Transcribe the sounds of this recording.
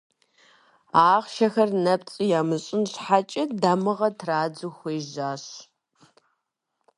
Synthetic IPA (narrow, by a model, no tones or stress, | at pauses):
aːʁʃɐxɐrnɐp̚t͡sʼijaːmɨɕʼɪnɕħat͡ʃʼɪdaːmɨʁɐtʰraːd͡zɨxʷeːʒaːɕ